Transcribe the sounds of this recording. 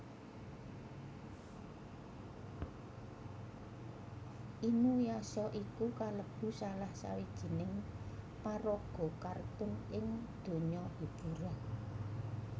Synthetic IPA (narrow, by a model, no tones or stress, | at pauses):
ʔinujasɔʔikukaləb̥ṳsalahsa̰wid̥ʒ̥i̤nɪŋ | paɾɔɡ̥ɔ̤kart̪ʊnʔɪŋd̪̥o̤ɲɔd̥ub̥uɾɔ